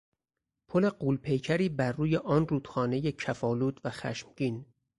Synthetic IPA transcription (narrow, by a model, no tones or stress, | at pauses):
pʰole̞ɢuːlpʰe̞jcʰæɾiːbæɾːuːje̞ʔɒːnruːd̪̥xɒːne̞je̞cʰæfɒːluːd̪væxæ̰ʃmɟiːn